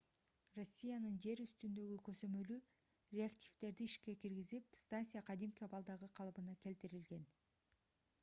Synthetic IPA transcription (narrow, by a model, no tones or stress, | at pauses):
ro̞sʲːijanɯnd͡ʒe̞ɾyst̪ynd̪ø̞ɡykøzø̞mø̞ly | rʲeaktʲivt̪e̞ɾd̪iiʃke̞kiɾɡizipst̪anʲsʲijaqʰɑd̪imkʲiɑbɑlˠd̪ɑʁɯqʰɑlˠpɯnɑke̞lt̪iɾilɡe̞n